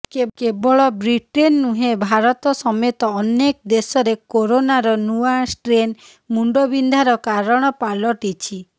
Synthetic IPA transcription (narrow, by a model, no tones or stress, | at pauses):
kekebɔɭɔbɾiʈenːuɦebʱaɾɔt̪ɔsɔmet̪ɔːnekɔd̪esɔɾekoɾonaɾɔnuasʈɾen | muɳɖobind̪ʱaɾɔkaɾɔɽ̃ɔpalɔʈit͡ʃʰi